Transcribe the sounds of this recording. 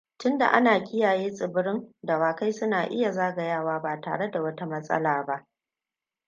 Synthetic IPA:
tʊ˦nda̰˨ʔa̰˦naː˨kʲʼɪ˦jaː˨jeː˦sʼɪ˨bɪ˦ɾɪ˦nda˨waː˨ka˦jsʊ˦naː˨ʔɪ̰˦ja˨zaː˦ɡa˨jaː˦˨waː˦baː˨ta̰ː˨ɽe˦da˨wɐ˦ta˦mɐ˦sʼɐ̰˦laː˨ba˦ʔ

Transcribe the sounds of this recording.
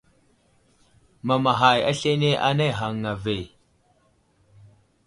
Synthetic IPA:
ma˨ma˨ɦa˨ja̰˦ɬe˦ne˦ʔa˦na˦jɦa˨ŋːa˨ve˨

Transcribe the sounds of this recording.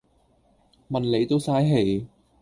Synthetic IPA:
mɐ˨nle˨˧jt̪o˥wsaː˥jɦe˨˩j

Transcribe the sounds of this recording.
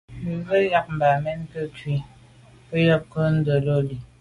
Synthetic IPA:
m̩˨βə˦ja˦k̚m̩˨ba˨mɛ˦n˦kə˦twi˦ | ə˦jə˦p̚kə˦n̩˦də˨lo˦li˨

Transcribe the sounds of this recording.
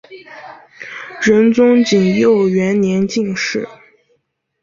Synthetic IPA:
ɻə˧˥nt͡sʊ˥ŋt͡ɕi˨˩ŋjo˥˩ʊɥɛ˧˥nnjɛ˧˥nt͡ɕi˥˧ŋʂɻ̩˥˩

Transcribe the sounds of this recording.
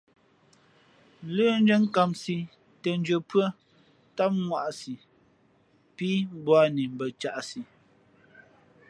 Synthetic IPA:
ləː˦n˦d͡ʒə˦ŋ˦ka˨msi˨ | tə˨n˦d͡ʒə˨pɰə˦ | ta˦p̚ŋwa˦˨ʔsi˨ | pi˦m˦bwa˦ni˨m̩˨bə˨t͡ʃa˨ʔsi˨

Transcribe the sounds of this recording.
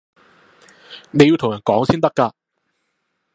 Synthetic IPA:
ne˨˧ji˧t̪ʰʊ˨˩ŋjɐ˨˩nkɔː˨˥ŋsiː˥nt̪ɐ˥kːaː˧

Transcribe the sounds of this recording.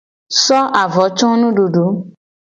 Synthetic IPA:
sɔ˦ʔa˨vɔ˨˦t͡ʃɔ̃˦nũ˦ɖu˨ɖu˨˦

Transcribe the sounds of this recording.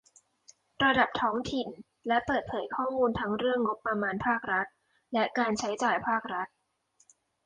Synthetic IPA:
ɾa˧da˨˩p̚t̪ʰɔː˦˥ŋt̪ʰi˨˩n | lɛ˦˥pɤː˨˩t̪̚pʰɤː˩˦jkʰɔː˥˩muː˧nt̪ʰa˦˥ŋɾɯ˥˩əŋːo˦˥pːɾa˧maː˧npʰaː˥˩k̚ɾa˦˥t̪̚ | lɛ˦˥kaː˧nt͡ɕʰa˦˥jt͡ɕaː˨˩jpʰaː˥˩k̚ɾa˦˥t̪̚

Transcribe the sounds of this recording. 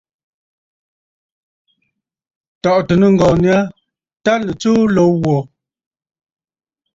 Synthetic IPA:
tɔ˨ʔtə˨nə˨ŋ̩˨ɡɔ˨ni˦a˦ | ta˦lə˨t͡su˦lo˨˦wɔ˨

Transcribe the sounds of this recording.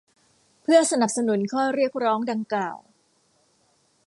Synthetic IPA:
pʰɯ˥˩əsa˧na˨˩p̚sa˧nu˩˦nkʰɔː˥˩ɾi˥˩ək̚ɾɔː˦˥ŋda˧ŋklaː˨˩w

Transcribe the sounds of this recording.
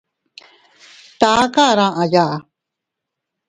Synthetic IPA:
t̪a˨˦ka˦˨ɾã˦˨ʔã˨ja˦˨ʔa˨

